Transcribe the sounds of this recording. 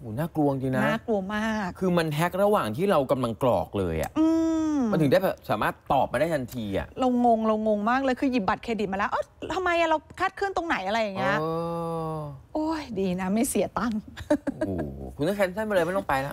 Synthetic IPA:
ʔuː˩˦naː˥˩klu˧əŋt͡ɕi˧na˦naː˦˥˩klu˧əŋmaː˥˩k̚kʰːɯː˧ma˧nɦɛ˦˥k̚ɾa˧waː˨˩ŋt̪ʰiː˥˩ɾa˧wka˧mla˧ŋklɔ̰ː˨˩k̚lɤ̰ː˧jʔa̰˨˩ʔʔɯː˧nt̪ʰɯ˩˦daː˥˩bɛː˨˩p̚sa̰ː˩˦maː˥˩t̪ːɔː˨˩pːa˧jdaː˥˩t̪ʰa˧nt̪ʰiː˧ʔa̰˨˩ʔlo˧ŋːo˧ŋlo˧ŋːo˧ŋmaː˥˩k̚lɛː˧˦jkʰɯː˧ji˨˩p̚ba˨˩eː˧di˨˩t̪̚mː˧lɛ˦˥ʔa˥˩t̪ʰa˧mːa˧jʔa˨˩ɾa˧wkʰaː˥˩t̪̚kʰɯ˥˩˨nt̪o˧ŋna˩˦jʔa˧ɾa˧jːa˨˩ŋːi˦ɤ˦ɐː˧ | ʔo˧˥˩jdiː˧na˦˥ma˥˩jsi˨˦ɐt̪a˥˩ŋː˧˩ | kʰu˧na˥˩kʰɛ˧˥nsa˥˩nba˧lːɤ˧mɛ˥˩t̪ɔ˧˨˩pa˧jna˦˥ʔ

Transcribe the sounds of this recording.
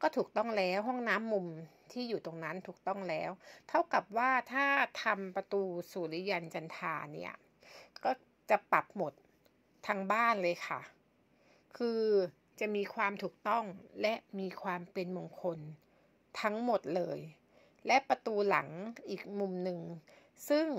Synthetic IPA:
kɔː˥˩t̪ʰuː˨˩k̚t̪ɔ˥˩ŋlɛː˦˥wɦɔ˥˩ŋnaː˦˥mːu˧m | t̪ʰiː˥˩juː˨˩t̪o˧ŋna˦˥nt̪ʰuː˨˩k̚t̪ɔ˥˩ŋlɛː˦˥wt̪ʰa˥˩wka˨˩p̚waː˥˩t̪ʰaː˥˩t̪ʰa˧mpa˧t̪uː˧suː˨˩˦li˦ja˧nt͡ɕa˧nt̪ʰa̰ː˧ni˦˥˩ɐ | kɔː˥˩ | t͡ɕa˨˩ʔpa˨˩p̚mo˨˩t̪̚ʰː | aː˧ŋbaː˥˩nlɤː˧jkʰa˥˩ | kʰɯː˧ | t͡ɕa˨˩ʔmiː˧kʰwaː˧mt̪ʰuː˨˩k̚t̪ɔ˥˩ŋlɛ˦˥ʔmiː˧kʰwaː˧mpe˧nmo˧ŋkʰo˧n | t̪ʰa˦˥ŋmo˨˩t̪̚lɤː˧j | lɛ˦˥ʔpa˧t̪uː˧la̰˩˦ŋʔiː˨˩k̚mu˧mnɯ˨˧ŋ | sɯ˥˩ŋ

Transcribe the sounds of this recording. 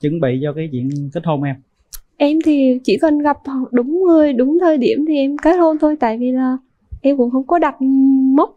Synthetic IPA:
t͡ɕɨ˨˦ŋɓḭ˧˨t͡ɕɔ˧kaː˨˦jt͡ɕwḭ˧˨ənk̪i˦˥t̚ho˧˩nʔɛ˧m | ʔɛ˧mt̪ʰi˨˩t͡ɕi˧˩kə˨˩nɣa˨˩p̚ɗʊ˨˦ŋ͡mŋɨ˨˩əjɗʊ˨˦ŋ͡mt̪ʰəː˧jɗi˧˩əmt̪ʰi˨˩ʔɛ˧mkaː˨˦˥jt̚ho˧nt̪ʰo˧jt̪a̰ː˧˨jvi˨˩laː˨˩ | ʔɛ˧mkʊ̰˧˥ŋ͡mxə˧wŋ͡mkɔ˨˦ɗa˨˩t̚mʊ˦˥k͡p̚

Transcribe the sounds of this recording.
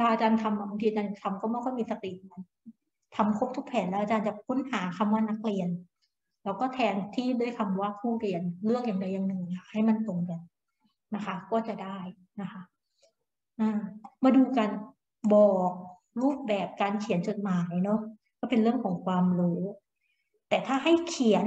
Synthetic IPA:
lʰa˧ʔaː˧t͡ɕaː˧nt̪ʰa˧ma˧˩ma˧t̪ʰiː˧t͡ɕaː˧na˨˩t̪ʰa˧mkɔː˥˩ma˥˩kʰɔː˥˩jmiː˧sa˧t̪i˨˩˧ma˧˦n | t̪ʰa˧mkʰo˦˥p̚t̪ʰu˦˥k̚pʰɛː˨˩˦nlɛ˦˥ʔaː˧t͡ɕaː˧nt͡ɕa˨˩kʰu˦˥nhaː˩˦kʰa˧mwaː˥˩na˦˥k̚li˧ən | lɛː˦˥wkɔː˥˩t̪ʰɛː˧nt̪ʰiː˥˩du˥˩əjkʰa˧mwaː˥˩kʰuː˥˩ɾi˧ənlɯ˥˩əŋjaː˨˩ŋda˧jːa˨ŋnɯ˨˩ja˨˩k̚ha˥˩jma˧˨nt̪o˨˩ŋbɛː˨˩ | na˦˥kʰa˦˥kɔː˥˩t͡ɕa˨˩daː˥˩j | na˦˥kʰa˦˥ | ʔaː˧˩maː˧duː˧ka˧n | bɔː˨˩k̚ | ɾuː˥˩p̚bɛː˨˩p̚kaː˧nkʰi˨˩˦nt͡ɕo˨˩t̪̚maː˩˦jnɔ˦˥ | kɔː˥˩pe˧nɾɯ˥˩əŋkʰɔː˩˦ŋkʰwaː˧mɾuː˦˥ | t̪ɛː˨˩t̪ʰaː˥˩ɦa˥˩jkʰi˨˩˦ə˦n

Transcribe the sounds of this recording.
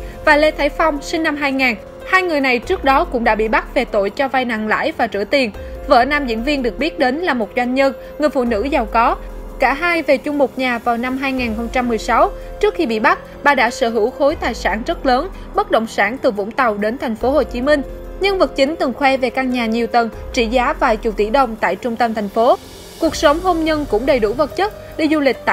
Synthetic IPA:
vaː˨˩jle˧t̪ʰaː˧˥jfa˧wŋ͡msï˧ŋ̟na˧mɦaː˧jŋaː˨˩n | haː˧jŋɨ˨˩əjna˨˩jt͡ɕɨ˦˥ək̚ɗɔ˨˦kʊ̰˧˥ŋ͡mɗa̰ː˧˥ɓḭ˧˨ɓa˦˥t̚ve˨˩t̪o̰˧˨jt͡ɕɔ˧va˧jna̰˧˨ŋla̰ː˧˥jvaː˨˩t͡ɕɨ̰˧˩t̪i˨˩ənvə̰ː˧˩naː˧mzḭ˧˥ənvi˧ənɗɨ˨˩ək̚ɓi˦˥ət̚ɗe˨˦nlaː˨˩mo˨˩t̚zwa˧jŋ̟ɲə˧n | ŋɨ˨˩əjfṵ˧˨nɨ̰˧˥za˨˩wkɔ˨˦kaː˧˩ɦaː˧jve˨˩t͡ɕʊ˧ŋ͡mmʊ˨˩t̚ɲaː˨˩vaː˨˩wna˧mɦaː˧jŋaː˨˩nxə˧wŋ͡mt͡ɕa˧mːɨ˨˩əjsa˨˦wt͡ɕɨ˦˥kxi˧ɓḭ˧˨ɓa˦˥t̚ɓaː˧ɗa̰ː˧˥sə̰ː˧˩ɦɨ̰˧˩˥wxo˨˦jt̪aː˨˩jsa̰ː˧˩nzə˦˥t̚ləː˨˦n | ɓə˦˥t̚ɗə̰˧˨wŋ͡msaː˧˩nt̪ɨ˨˩vʊ̰˧˥ŋ͡mt̪ə˨˩wɗe˨˦nt̪ʰɛ˨˩jŋ̟fo˨˦ho˨˩t͡ɕi˨˦mï˧ŋ̟ɲə˧ŋvə˨˩t̚t͡ɕï˨˦ŋ̟t̪ɨ˨˩ŋxwɛ˧ve˨˩kaː˧ŋɲaː˨˩ɲi˨˩əwt̪ə˨˩nt͡ɕḭ˧˩zaː˨˦vaː˨˩jt͡ɕu˨˩t̪ḭ˧˩ɗə˨˩wŋ͡mt̪a̰ː˧˨jt͡ɕʊ˧ŋ͡mt̪ə˧mt̪ʰɛ˨˩ŋ̟fo˨˦ | ku˨˩ək̚sə˨˦wŋ͡mɦo˧mɲə˧nkʊ̰˧˥ŋ͡mɗə˨˩jɗṵ˧˩və˨˩t̚t͡ɕə˦˥t̚ | ɗei˧zu˧lï˨˩k̟̚t̪a̰ː˧˨

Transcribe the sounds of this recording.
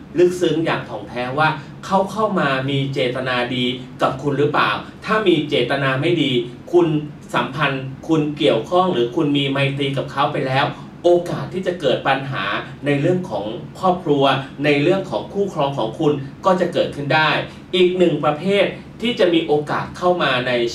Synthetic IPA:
lɯ˦˥k̚sɯ˦˥ŋja̰ː˨˩ŋ̚t̪ʰɔː˩˦ŋt̪ʰɛː˦˥waː˥˩ | kʰa˦˥wkʰa˥˩wmaː˧miː˧t͡ɕeː˨˩t̪a˧naː˧diː˧ka˨˩p̚kʰu˧nɾɯː˦˥pla̰ː˨˩wt̪ʰaː˥˩miː˧t͡ɕeː˨˩t̪ːa˧naː˧ma˥˩jdiː˧kʰu˧n | sa˩˦mpʰa˧nkʰu˧nki˨˩əwkʰɔ˥˩ŋɾɯː˩˦kʰu˧nmiː˧ma˧jt̪iː˧k̬a˨˩p̚kʰa˦˥wpa˧jlɛː˦˥w | ʔoː˧kaː˨˩t̪ʰːiː˥˩t͡ɕa˨˩kɤː˨˩t̪̚pa˧nɦa̰ː˩˦ | na˧jɾɯ˥˩əŋkʰɔ̰ː˩˦ŋkʰɔː˥˩p̚kʰɾu˧ɐna˧jɾɯ˥˩əŋkʰɔː˩˦ŋkʰuː˥˩kʰɾɔː˧ŋkʰɔː˩˦ŋkʰu˧nkɔː˥˩t͡ɕa˨˩ʔkɤː˨˩t̪̚kʰɯ˥˩ndaː˥˩j | ʔiː˨˩k̚nɯ˨˩ŋpɾa˧pʰeː˥˩t̪̚ʰːiː˥˩t͡ɕa˨˩miː˧ʔoː˧kaː˨˩t̪̚kʰa˥˩wmaː˧na˧j

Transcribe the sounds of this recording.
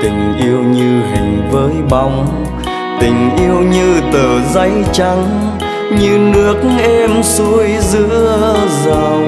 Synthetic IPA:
t̪ï˨˩ŋ̟ʔi˧əwɲɨ˧ɦï˨˩ŋ̟vəː˨˦jɓa˧˩wŋ͡m | t̪ï˨˩ŋ̟ʔi˧əwɲɨ˧t̪əː˨˩za˧˦jt͡ɕa˧˦ŋ | ɲɨ˧nɨ˦˥ək̚ʔɛ˧msu˨˦əjzɨ˧˥əəzaː˨˩w

